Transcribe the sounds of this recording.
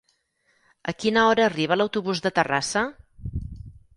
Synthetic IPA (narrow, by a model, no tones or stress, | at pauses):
əkinəɔɾəːriβ̞ələwt̪uβuzðət̪ərasə